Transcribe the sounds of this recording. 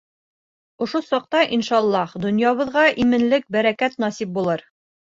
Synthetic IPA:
ŏʃosɑq̚t̪ɑʔinʃɑlˠːɑhd̪ŏnjɑβɤ̆ðʁɑʔimɘ̆nlɘk̚bæɾækæt̪nɑsip̚bulˠɤɾ

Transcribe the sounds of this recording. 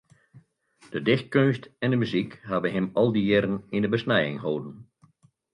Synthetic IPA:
d̥ədɪxt̚kønstɛndəmyzikɦabənɦɪmɔlˠdiɪɾən̩ɪndəbəsnɛjɪ̰ŋɦoːdən̩

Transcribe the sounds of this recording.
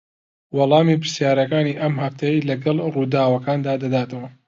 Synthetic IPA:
wɑlˠɑːmiːpɨɾsjaːɾɐkaːniʔɐmhɐft̪ʰɐjilɐɡɐlˠruːd̪aːwɐkaːnd̪aːd̪ɐd̪aːt̪ɐwɐ

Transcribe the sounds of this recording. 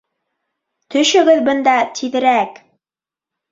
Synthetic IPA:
t̪ɵ̆ʃɵ̆ɡɘðbɤ̆nd̪ɑt̪ʰiðɘ̆ɾæk

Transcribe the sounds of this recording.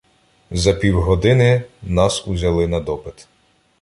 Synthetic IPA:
zɐpʲiwɦɔd̪ɪnɪnɑsuzʲɐlˠɪnɐd̪ɔpɪt̪

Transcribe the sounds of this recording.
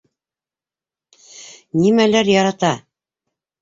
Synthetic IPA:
nimælæɾjɑɾɑt̪ɑ

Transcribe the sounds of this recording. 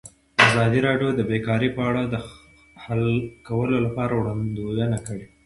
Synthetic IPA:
azɑd̪iɾɑɖjod̪əbekɑɾipəaɽad̪ə | halkawəlolapɑɾawɽand̪ojənakəɽe

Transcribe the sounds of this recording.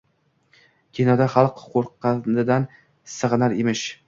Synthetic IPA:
kʲʰenɒd̪aχɑlˠqqʰoɾqːɑnɪd̪an | sɨʁnaɾemɪʃ

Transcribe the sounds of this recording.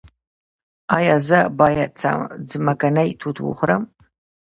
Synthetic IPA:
aːjazɐbaːjɐt͡sʰa̰ːmd͡zɨmɐkɐnɐjtʰutʰwʊ̰χʷʊɾɐm

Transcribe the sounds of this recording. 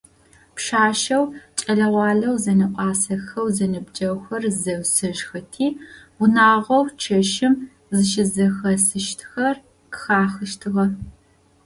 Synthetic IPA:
pʂaːʃɐwt͡ʃʼɐɮɐʁʷɑːɮɐwzɐnɨqʷʼɑːsɐxɐwzɐnɨbd͡ʒʼɐwxɐrzɐwsɨʒxɐtʰiː | ʊnaːʁʷɐwt͡ʃʰɐʃɪm | zɨʃɪzɐxɐsɨʃtʰxɐr | kɨ̥xaːxɨʃtʰɨʁɐ

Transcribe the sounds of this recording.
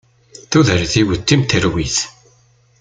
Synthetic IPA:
θuðəɾθiwət̪ːimt̪əɾwiθ

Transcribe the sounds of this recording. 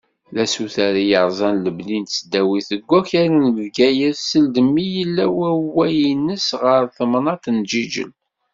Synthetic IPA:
læsuθaɾijəɾˤzˤɑnləblint̪səd̪ːæwiθəɡʷːæçaɾænvɡæjəɾsəld̪əmːijəlːæwæwæjinːəsʁəɾθəmnɑt̪nd͡ʒid͡ʒə̰l

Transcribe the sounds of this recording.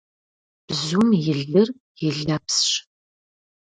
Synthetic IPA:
b̥zumjɪɮɨr | jɪɮapsɕ

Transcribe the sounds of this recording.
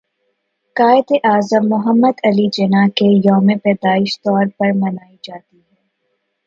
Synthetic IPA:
kaːɪd̪eʔaːzəmːʊɦəmːəd̪ɐlid͡ʒenakejɔːmepɛːd̪aːɪʃt̪ɔːɾpɐɾmɐnaːid͡ʒaːt̪iɦɛː

